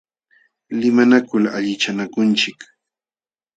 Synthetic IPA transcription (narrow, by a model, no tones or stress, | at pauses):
lɪmanakʊlaʎɪt͡ʃanakʊnt͡ʃɪk